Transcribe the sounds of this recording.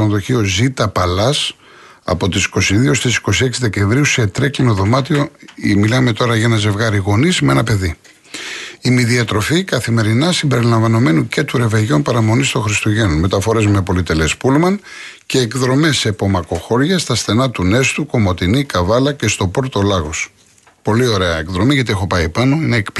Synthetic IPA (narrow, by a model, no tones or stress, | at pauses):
onðo̞çiozit̪ɐpɐlɐs | ɐ̰po̞t̪isi̥ko̞siðiost̪isi̥ko̞sie̞ksiðece̞ɱvɾiuset̪ɾeklinoðo̞mɐt̪io̞milɐme̞t̪o̞ɾɐʝɐnɐze̞vɣɐɾiɣo̞nizmeenɐpe̞ði | imiðiɐt̪ɾo̞fikɐθime̞ɾinɐsimbe̞ɾilɐɱvɐno̞me̞nuce̞t̪uɾe̞veʝo̞npɐɾɐmo̞nist̪oxɾist̪uʝe̞nonme̞t̪ɐfo̞ɾe̞zme̞po̞lit̪e̞lespulmɐn | ce̞ːkðɾo̞me̞sepo̞mɐko̞xo̞ɾʝɐst̪ɐsθe̞nɐt̪une̞st̪uko̞mo̞t̪inikɐvɐlɐce̞st̪o̞po̞ɾt̪o̞lɐɣo̞s | po̞lio̞ɾe̞ɐekðɾo̞miʝɐt̪ie̞xopɐjepɐno̞ineːkp